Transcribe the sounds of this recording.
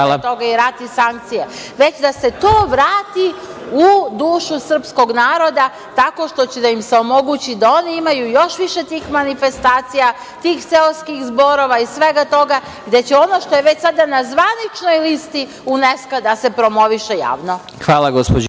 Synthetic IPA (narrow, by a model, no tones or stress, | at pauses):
at̪o̞ɡaiɾat̪isaŋk̚t̪sije | ʋe̞t͡ɕd̪ase̞t̪oːʋɾaːt̪i | ud̪uːʃusr̩psko̞ɡnaːɾo̞d̪a | t̪ako̞ʃt̪o̞t͡ɕed̪aimseo̞mo̞ɡut͡ɕid̪ao̞niimajujo̞ʃʋiʃe̞t̪iːxmanife̞st̪aːt̪sija | t̪iːxseloskixzbo̞ɾo̞ʋaisʋeɡat̪o̞ɡa | ɡd̪e̞t͡ɕeo̞no̞ʃt̪o̞je̞ʋe̞t͡ɕsad̪anazʋanit͡ʃno̞jlist̪i | uneskad̪ase̞pɾo̞mo̞ʋiʃeja̰ːʋno | xʋaːlˠaɡospo